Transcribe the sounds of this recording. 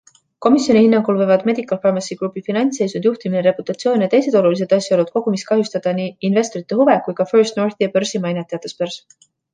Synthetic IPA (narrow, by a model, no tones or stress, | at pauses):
ko̞misjo̞nʲihinːɑŋɡ̥ulvɤvɑd̪me̞d̪̥ikːˑɑlfɑrmɑnsiɡ̥ɾupːˑifinɑnʲt̪se̞jsund̪juht̪imineɾe̞put̪ːˑɑt̪sijo̞ːnʲjɑt̪e̞jse̞d̪̥o̞lulis̬e̞d̪̥ɑsjɑolud̪̥̚ko̞ɡ̥umiskɑɦjust̪ɑd̪̥ɑniːnve̞st̪o̞ɾit̪ˑːe̞huve̞kujkɑførst̪no̞rθiɑpørsimɑjnet̪ːˑejɑt̪ːˑespørs